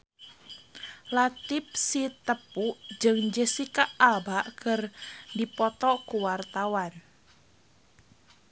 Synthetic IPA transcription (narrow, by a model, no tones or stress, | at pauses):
lat̪ɪp̚sit̪əpuʔd͡ʒɨŋd͡ʒəsikaʔabaʔkərdipɔt̪ɔkuwart̪awan